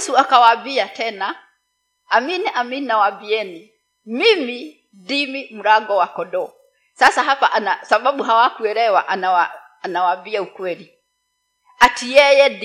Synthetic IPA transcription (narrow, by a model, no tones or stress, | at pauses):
suakawabiatɛnaː | miniʔamininawabiɛni | mimi | dimim̩ɾaɡɔwakɔɗɔ | sasaɦapaʔanasaɓaɓuɦawakuɛɾɛwaʔanawaː | nawambiaukwɛli | atijɛjɛd